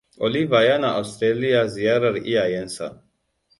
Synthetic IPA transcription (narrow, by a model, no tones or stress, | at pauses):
olivajanaʔawst̪ɾelijaziaɾaɾiajensa̰